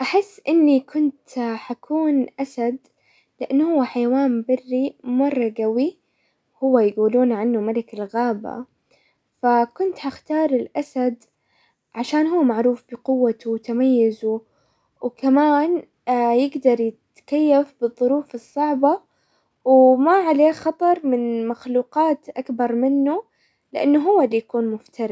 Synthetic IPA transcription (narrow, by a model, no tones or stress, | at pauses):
ʔaħɪsːʔɪnːikʰʊnt̪ħakʰuːnʔasad̪ | lɪʔanːhʊwːaħajawaːnbɪrːimɑrˤːɑɡawi | hʊwːajɡuːluːnʕanːumalɪkɪlɣaːba̰ | fakʊnt̪haxt̪ɑːɾˤɪlʔasad̪ | ʕaʃaːnhʊːmaʕɾuːfbɪqʊwːat̪uwt̪amajːɪzu | wkamaːn | jɪɡd̪ɑɾˤjɪt̪kajːafbɨðˤːʊɾuːfɨsˤːɑʕbɑ | wmaʕaleːxɑt̪ˤɑɾˤmɪnmaxluːqɑːt̪ʔakbɑɾˤmɪnːu | lɪʔanːʊɦʊwːalːijakuːnmʊft̪ɑɾˤ